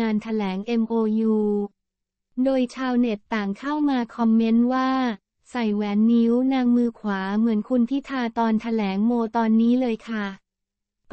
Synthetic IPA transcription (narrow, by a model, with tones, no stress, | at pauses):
aː˧nt̪ʰa˧lɛː˩˦ŋʔe˧mʔoː˧juː˧ | doː˧jt͡ɕʰaː˧wne˨˩t̪ːaː˨˩ŋkʰa˥˩wmaː˧kʰɔ˧mːe˦˥nwaː˥˩ | sa˨˩jwɛː˨˧nːi˦˥wnaː˧ŋmɯː˧kʰwaː˩˦mɯ˩˦ənkʰu˧npʰi˦˥t̪ʰaː˧t̪ɔː˧nt̪ʰa˧lɛː˩˦ŋmoː˧t̪ɔː˧nːiː˦˥lɤː˧jkʰa˥˩ | p